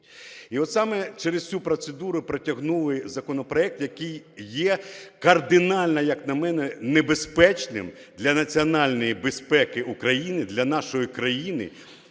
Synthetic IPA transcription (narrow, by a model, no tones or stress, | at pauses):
iɔt̪sɑmɛt͡ʃɛɾɪssʲupɾɔt̪sed̪uɾʊpɾɐtʲɐɦnulˠɪzɐkɔnɔpɾɔɛk̚t̪jɐkɪjjːɛkɐrd̪ɪnɑlʲnɐjɐknɐmɛnɛnebespɛt͡ʃnɪmd̪lʲɐnɐt͡sʲiɔnɑlʲnɔjibespɛkɪukɾɐjinɪd̪lʲɐnɑʃɔjikɾɐjinɪ̰